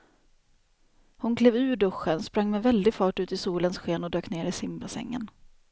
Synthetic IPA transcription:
hʊnkʰleːvʉ̟ːɖɵɧːənspɾaŋːmɛvɛld̪ɪɡfɑːʈʉ̟ːt̪ɪsuːlənsɧeːnɔd̪øːkneːɾɪsɪmbasɛ̰ŋːə̰n

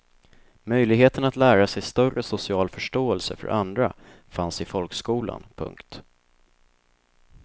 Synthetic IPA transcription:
mœjlɪɡheːt̪ənat̪læːɾasɛjst̪œrəsʊsɪɑːlfœʂʈoːɛlsə̰fœ̰ɾʔand̪ɾa̰ | fansɪfɔlkskuːla̰npʰɵ̰ŋkt̪

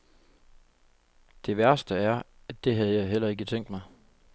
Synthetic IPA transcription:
d̥e̝ʋæɐsd̥əæɐ | æd̥e̝ɦæð̞̩ˠjɑ̈ɪɦel̰ɐe̝ɡ̥ət͡sʰeŋ̰d̥mɑ̈ɪ

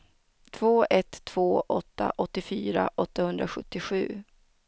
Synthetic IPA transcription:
t̪ʰv̥oːʔɛt̪ʰːv̥oːʔɔt̪ːa̰ʔɔt̪ːɪfyːɾa̰ʔɔt̪ːahɵnd̪ɾaɧɵt̪ːɪɧʉ̟ː

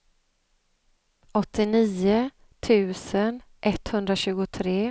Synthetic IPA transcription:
ʔɔt̪ːɪniːʊ | t̪ʰʉ̟ːsən | ʔɛt̪hɵnd̪ɾaɕʉ̟ːɡʊt̪ʰɾeː

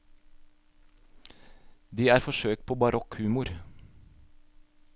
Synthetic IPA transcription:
d̪iːæːɾfɔʃøːk̚t̪̚pʰoːbɑɾʔɔkhʉːmʊɾ

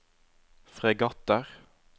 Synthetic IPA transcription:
fʁeɡɑt̪əʁ

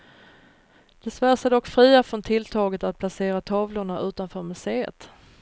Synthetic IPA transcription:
d̪̥ɛsvæːʂad̪ɔkːfɾiːafɾɔnt̪ʰɪlt̪ʰɑːɡət̪at̪̚pʰlaseːɾat̪ʰɑːvlʊɳaʔʉ̟ːt̪anfœːɾmɵseːə̰t̪

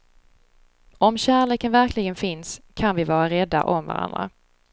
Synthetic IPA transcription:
ɔmɕæːɭeːkənvæɾklɪɡənfɪnskʰanvɪvɑːɾaɾɛd̪ːa̰ʔɔmva̰ɾa̰nd̪ɾa̰

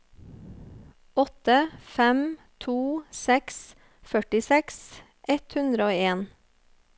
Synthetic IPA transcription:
ɔt̪əfɛmt̪ʰuːsɛks | fœʈɪsɛks | ʔɛt̪hʉnd̪ɾəoːeːn

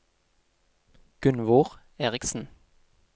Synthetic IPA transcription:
ɡ̥ʏnʋoːʁ | eːʁɪksn̩

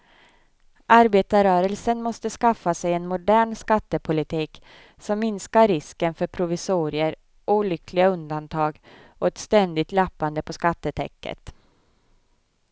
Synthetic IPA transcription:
ʔaɾbeːt̪aɾœːɾəlsənmɔst̪əskafːasɛjɛnmʊd̪æːɳskat̪ːəpʰʊlɪt̪ʰiːk | sɔmːɪnskaɾɾɪskənfœɾpʰɾʊvɪsuːɾɪəɾ | ʔuːlʏkʰlɪɡaɵnd̪ant̪ʰɑːɡɔɛt̪st̪ɛnd̪ɪt̪lapːand̪əpʰɔskat̪ːət̪ʰɛ̰kːə̰t̪

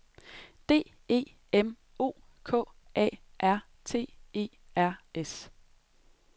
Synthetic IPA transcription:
d̥e̝̰ː | e̝̰ː | em | o̝̰ː | kʰɔ̰̽ː | ʔɛ̰ː | ʔæɐ̰ | t͡sʰe̝̰ːe̝̰ː | æɐ̰es

